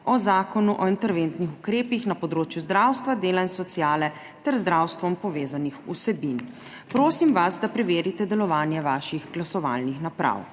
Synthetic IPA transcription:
ɔzaːkɔnuʔɔint̪ɛɾʋent̪nixukɾeːpixnapɔd̪ɾoːt͡ʃjuzd̪ɾawst̪ʋad̪eːlainsɔt̪sijaːlɛ | t̪ɛɾzd̪ɾawst̪ʋɔmpɔʋeːzanixṵsɛbin | pɾoːsimʋasd̪apɾɛʋeːɾit̪ɛd̪ɛlɔʋaːnjɛʋaʃixɡlasɔʋa̰ːlnixnapɾa̰w

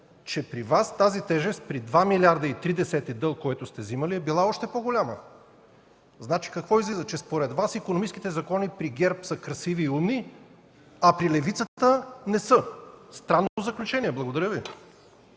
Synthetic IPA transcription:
t͡ʃɛpɾivast̪azit̪ɛʒɛst̪̚pɾid̪vamilʲaɾd̪əit̪ɾid̪ɛsɛt̪id̪əlˠkoɛt̪ʊst̪ɛziməliɛbilˠaɔʃt̪ɛpoɡolʲamə | znat͡ʃi̥kɐkvɔizlizət͡ʃɛspoɾɛd̪vasikonomit͡ʃskʲit̪ɛzɐkɔnipɾiɡʲɛɾpsəkɾɐsiviːumni | ɐpɾilɛvit̪sət̪ənɛsəst̪ɾanːot̪ozəklʲut͡ʃɛniɛblˠɐɡod̪ɐɾʲjəvi

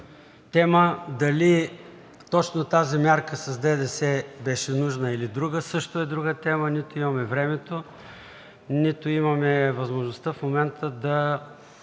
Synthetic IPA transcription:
t̪ɛməd̪ɐli | t̪ɔt͡ʃnot̪azimʲaɾkəsɐzd̪ɛd̪ɛsɛbɛʃɛnuʒnəilid̪ɾuɡəsɤʃt̪oɛd̪ɾuɡət̪ɛmənit̪oimɐmɛvɾɛmɛt̪o | nit̪oimɐmɛvɐzmoʒnost̪afmomɛnt̪ʰəd̪ɐ

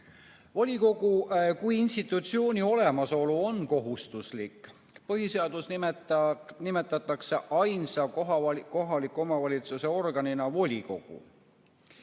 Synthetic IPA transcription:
volʲiko̞ɡukujinst̪it̪ːˑut̪sio̞ːnʲio̞lemɑso̞luo̞nko̞ɦust̪uslikˑ | pɤɦise̞ɑd̪̥usn | nime̞t̪ːˑɑt̪ːˑɑkse̞ʔɑjnsɑko̞ɦɑlikːˑo̞mɑvɑlʲit̪suse̞o̞rɡ̥ɑninɑvo̞lʲiko̞ɡ̥ṵ

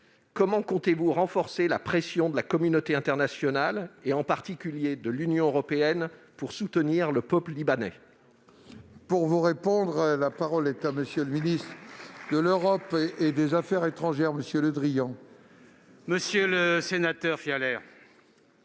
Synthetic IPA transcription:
kɔmɑ̃kɔ̃t̪evuʁɑ̃fɔʁselapχesjɔ̃d̪əlakɔmynot̪eɛ̃t̪ɛʁnasjɔnaleɑ̃paʁt̪ikʲyljed̪əlynjɔ̃øʁɔpeɛnpuʁsut̪əniʁləpœpləlibanɛ̰ | puʁvuʁepɔ̃d̪ʁlapaʁɔlɛt̪aməsjøləminist̪χəd̪əløʁɔped̪ezafɛʁet̪χɑ̃ʒɛʁməsjøləd̪ʁijɑ̃ | məsjøləsenat̪œʁfialɛʁ

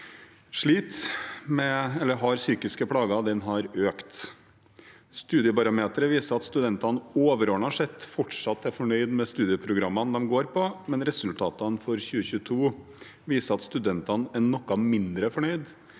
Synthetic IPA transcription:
ʂɭiːt̪mɛɛlːəɾɦɑɾsyːkɪskəpʰɽɑːɡɑd̪ɛnɦɑɾøːkt̪ | st̪ʉːd̪ɪəbɑɾɑmeːt̪əɾəʋiːsəɾɑt̪st̪ʉd̪ɛnt̪ɑnoːʋəɾoːɳɑʂɛt̪ːfɔʈʂɑt̪ːæɾfɔɳœʏd̪mɛst̪ʉːd̪ɪəpʰɾʊɡɾɑmːɑnd̪ɛmɡoːɾpʰɔmɛnɾɛsʉlt̪ʰɑːt̪ɑnfɔɾçʉːəçʉːət̪ʰuː | ʋiːsəɾɑt̪st̪ʉd̪ɛnt̪ɑnɛɳɔkːɑmɪnd̪ɾəfɔɳœʏd̪

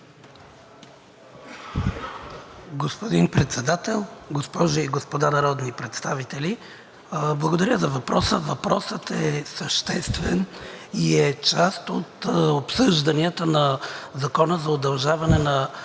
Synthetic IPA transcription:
ɡospod̪inpɾɛt̪sɛd̪at̪ɛlˠɡospɔʒiiɡospod̪anɐɾɔd̪nipɾɛt̪st̪avit̪ɛli | blˠəɡod̪ɐɾʲəzɐvɐpɾɔsəvɐpɾɔsət̪ɛsəʃt̪ɛst̪vɛniɛt͡ʃast̪ot̪opsɤʒd̪ɐniət̪ənɐzɐkɔnəzɐod̪ɐlˠʒavɐnɛnɐ

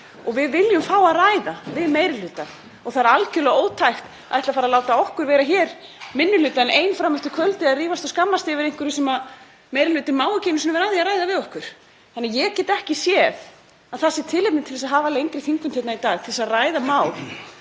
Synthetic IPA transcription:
ɔɣvɪðvɪljʏmfaːwaðraːjðavɪðmejɾɪlʏːt̪an | ɔɣθaɾalcʏlɛɣoːwt̪ʰajxt̪ | a̰ðɛht̪lafaɾaðlaːwt̪aɔhkʏɾvɛːɾaçɛːɾ | mɪnːʏlʏːt̪aɛneːjnfɾamːʏht̪ʏkʰvœlt̪ɪaðriːvast̪ɔskamːast̪ɪvɪɾejŋkʏɾʏsɛmað | meːjɾɪlʏːt̪ɪmaːwaceːnʏsnʏmvɛɾaðiaðɾaːjðavɪðɔhkʏɾ̥ | θanːajɛɣcɛːt̪ɛhcɪsjɛθ | aðθasːɪt̪ʰɪlepnɪt̪ʰɪlθɛsaðɦaːvalejŋk̪ɾɪθiŋkʏmθʰɛt̪nait̪aːɣt̪ʰɪlɛsaðraːjðamaːwl

